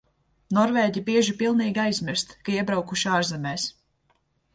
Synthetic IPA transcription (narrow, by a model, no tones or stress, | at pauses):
nɔɾvɛːɟibiɛʒipilˠniːɡʲiajzmiɾst̪kaiɛbɾawkuʃiaːɾzɛmɛːs